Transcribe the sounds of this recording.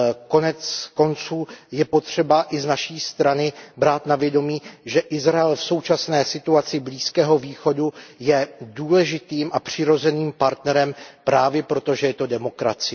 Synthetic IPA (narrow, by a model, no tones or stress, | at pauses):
ko̞nɛt͡sko̞nt͡suːjɛpo̞t̪r̝̥ɛbaʔɪznaʃiːst̪ɾanɪbɾaːt̪navjɛdo̞miːʒɛʔɪzɾaɛlfso̞wt͡ʃasnɛːsɪt̪uat͡sɪbliːskɛːɦo̞viːxo̞dujɛduːlɛʒɪt̪iːmʔapr̝̥ɪɾo̞zɛniːmpaɾt̪nɛɾɛmpɾaːvjɛpɾo̞t̪o̞ʒɛjɛt̪o̞dɛmo̞kɾa̰t͡sɪ